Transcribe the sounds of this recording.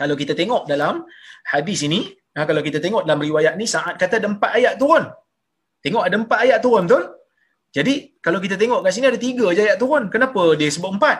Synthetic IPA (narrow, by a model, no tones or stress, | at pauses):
kalawkit̪at̪eŋɔʔdalamhadisini | əkalawkit̪at̪eŋɔʔdalamriwajaʔ̪̚nisaʔat̪̚kat̪adəmpat̪ajaʔt̪uɾʊn | t̪eŋɔʔadaəmpat̪ajaʔt̪uɾʊnt̪̬ʊ | d͡ʒadikalawk̬it̪at̪̬eŋɔʔkaʔs̬iniadat̪iɡad͡ʒaajaʔt̪uɾʊnkənapadiəsəbʊp̚əmpat̪̚